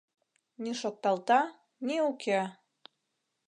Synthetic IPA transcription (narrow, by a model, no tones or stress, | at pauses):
niʃok̚t̪ːɑlt̪ɑ | niukʰe